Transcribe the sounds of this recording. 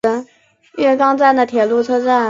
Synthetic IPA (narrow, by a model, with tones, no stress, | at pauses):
ə˥ŋ | ɥɛ˥˧kɑ˥ŋt͡sa˥˩nd̪ə˩t̪ʰjɛ˨˩lu˥˧t͡sʰɤ˥t͡sa˥˩